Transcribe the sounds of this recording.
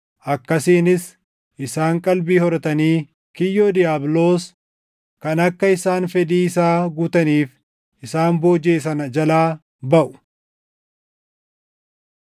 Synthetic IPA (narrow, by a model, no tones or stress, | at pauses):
ʔɐkːɐsiːnɪs | ʔɪsaːŋkʼɐlbiːhɔɾɐt̪ɐniː | kɪjːoːd̪ɪjaːblo̞ːs | kɐnɐkːɐɪsaːnfɛd̪iːɪsaːɡuːt̪ɐniːf | ʔɪsaːnboːd͡ʒe̞ːs̬ɐnɐd͡ʒɐlaː | bɐʔʊ̥